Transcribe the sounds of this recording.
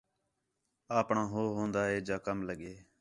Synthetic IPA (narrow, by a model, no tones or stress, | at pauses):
aːpɳãːɦoːɦõːnd̪aːɦeːd͡ʒaːkəmləɠeː